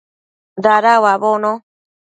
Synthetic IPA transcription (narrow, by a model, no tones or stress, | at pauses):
d̪aɾawaβonõ